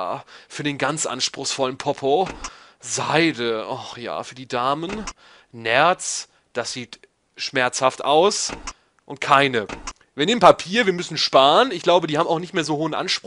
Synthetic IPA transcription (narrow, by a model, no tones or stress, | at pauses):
fyːɐɾeːnɡant͡sʔa̰nʃpʁ̥ʊxsfɔlənpʰɔpʰo | za̰ɪdəʔɔxja̰ːfyːɐdiːdaːmən | nɛɐt͡s | d̥asz̥iːt | ʃmɛɐt͡shaftʔa̰ʊs | ʔʊntkʰaɪnə | viːɐneːmənpʰapʰiːɐviːɐmʏsn̩ʃpaːʁənɪçɡ̥laʊbədiːhaːbmaʊxnɪçtmeːɐzoːhoːənʔa̰nʃpʁ